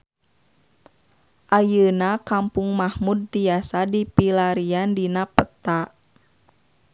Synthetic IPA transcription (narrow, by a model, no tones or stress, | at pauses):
ʔajənakampuŋmahmud̚ːiasadipilaɾiandinapət̪a